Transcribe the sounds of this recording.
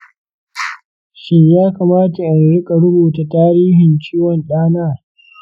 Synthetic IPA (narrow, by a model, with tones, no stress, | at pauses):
ʃɪ˦ɲjaː˦kaː˨maː˦ta˨ʔa˨nɽɪ˦kʼa˨ɽʊ˦boː˨ta˨taː˦ɾiː˦ɦɪ˨nt͡ʃiː˦wɔ˨nɗaː˦naː˦˨